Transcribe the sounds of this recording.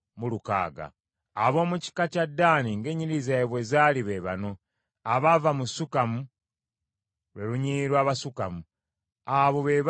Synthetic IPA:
muluka̰ːɡa̰ː | βo̞ːmuci̥kacadːaːniŋɡe̞ɲiɾizaeβwe̞zaːliβe̞βano̞ | aβavamusukamu | lwe̞ɾuɲiːɾwaːβasukamu | aβo̞βe̞β

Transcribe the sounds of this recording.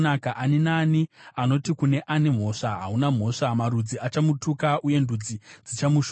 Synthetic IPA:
nakaʔaninaːniano̞tikune̞ʔane̞m̤o̞ʂaɦaɦunam̤ɦo̞ʂamarud͡ziat͡ʃamutukaʔuje̞ndud͡zid͡zit͡ʃamuʃ

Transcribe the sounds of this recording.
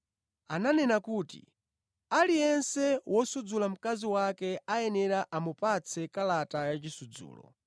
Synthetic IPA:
ananɛnakuːtḭ | alijɛnsɛwɔsud͡zulam̩kaziwakɛajɛnɛɾaʔamupat͡sʰɛkalatajat͡ʃisud͡zṵːlɔ̰

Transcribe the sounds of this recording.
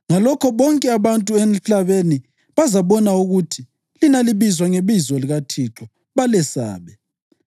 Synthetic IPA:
ŋalɔkʰɔβɔŋkʼɛaβantʼuem̩ɬaβeni | βazaβɔnauɣutʰi | linaliβizwaŋeβizɔliɣatʰiǁɔ | βalɛsa̰ːβɛ

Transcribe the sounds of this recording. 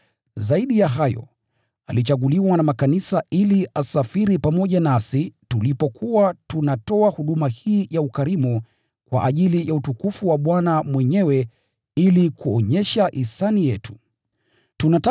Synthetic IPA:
zaiɗijaɦajɔ̰ | alit͡ʃaɠuliwanamakanisaʔiliasafiɾipamɔʄanasitulipɔkʰuwatunatɔahuɗumahiːjaukaɾimu | kwa̰ʔaʄilijautukufuwaɓwanamwɛɲɛwɛ | ilikuɔɲɛʃaʔisanijɛtu̥ | tunata

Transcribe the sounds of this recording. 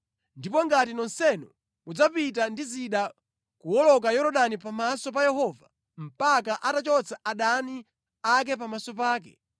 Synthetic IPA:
ndipɔŋɡatinɔnsɛnɔ | mud͡zapit̬andiziɗa | kuɔlɔk̬ajɔɾɔɗanipamasɔp̬ajɛɦɔva̰ | m̩pakaʔatat͡ʃɔt͡saʔaɗani | ak̬ɛp̬amasɔpaːk̬ɛ̰

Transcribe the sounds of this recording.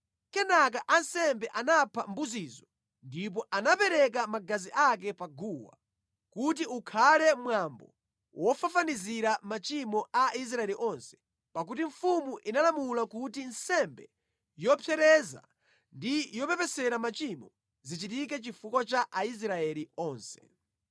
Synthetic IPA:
kɛnak̬aʔansɛmbɛʔanapʰambuziːzɔ | ndip̬ɔʔanapɛɾɛk̬amaɡaziʔak̬ɛpaɡuwa̰ | kut̬iukʰalɛmwambɔ̰ | wʔɔfafaniziɾamat͡ʃimɔʔais̬ɾaɛliʔɔnsɛ̥ | pak̬utiɱfumuʔinalamulakutinsɛmbɛ | jɔpʰjɛɾɛza̰ | ndijɔpɛpɛsɛɾamat͡ʃimɔ | zit͡ʃit̬ikɛt͡ʃifukɔt͡ʃaʔais̬ɾaɛliɔːnsɛ̥

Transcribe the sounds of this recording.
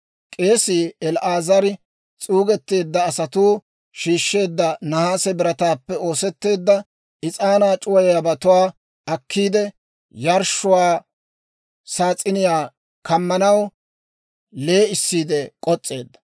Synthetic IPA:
kʼe̞ːsɪːɛlʔaːzɐɾ | t͡sʼuːɡɛt̪ːe̞ːd̪ːɐːsɐt̪uː | ʃiːʃːe̞ːd̪ːɐnɐhaːsɛbɪɾɐt̪aːpːɛo̞ːsɛt̪ːe̞ːd̪ːɐ | ɪt͡sʼaːnaːt͡ʃʼʊwɐjjabɐt̪ʊwaː | ɐkʰːiːd̪ɛ | jɐɾʃʊwaː | saːt͡sʼːɪnɪjaː | kɐmːɐnɐw | le̞ːɪsːiːd̪ɛkʼɔt͡sʼːe̞ːd̪ːɐ̥

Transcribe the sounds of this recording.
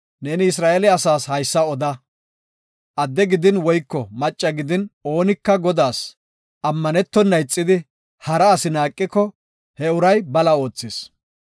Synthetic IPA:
neːnɪɪsɾaːʔɛlɛɐsaːshɐjsːɐɔd̪ɐ | ʔɐd̪ːɛɡɪd̪ɪnwɔjkːɔmɐt͡ʃʼːɐɡɪd̪ɪno̞ːnɪkːɐɡɔd̪aːs | ʔɐmːɐnɛt̪ːɔnːɐjt͡sʼːɪd̪ɪ | hɐɾɐːsɪnaːkʼːɪkːɔ | hɛʊɾɐjbɐlɐo̞ːt͡sːɪs

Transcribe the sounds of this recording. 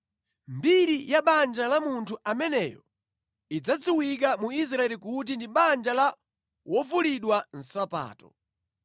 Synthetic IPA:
mbiɾijaɓand͡ʒalamuntʰuʔamɛnɛjɔ | id͡zad͡zuwik̬amuis̬ɾaɛlikut̬indiɓand͡ʒala | wɔvuliɗwan̩sapa̰ːtɔ

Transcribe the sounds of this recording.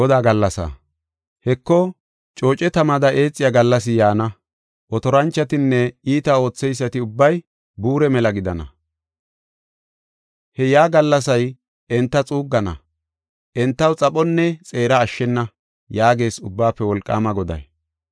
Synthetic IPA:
ɔd̪aːɡɐlːɐsa̰ | hɛkːɔ | t͡ʃʼoːt͡ʃʼɛt̪ɐmɐd̪ɐʔeːt͡sʼːɪjaɡɐlːɐsɪjaːnɐ | ʔɔt̪ɔɾɐnt͡ʃːɐt̪ɪnːɛiːt̪ɐo̞ːt͡sːɛjs̬ːɐt̪ɪʊbːɐj | buːɾɛmɛlɐɡɪd̪ɐnɐ̰ | hɛjaːɡɐlːɐsɐj | ɛnt̪ːɐt͡sʼuːɡːɐnɐ̰ | ʔɛnt̪ːɐwt͡sʼɐpʼɔnːɛt͡sʼe̞ːɾɐːʃːɛnːɐ | jaːɡe̞ːsʊbːaːpːɛwɔlkʼːa̰ːmɐɡɔd̪ɐ̰j

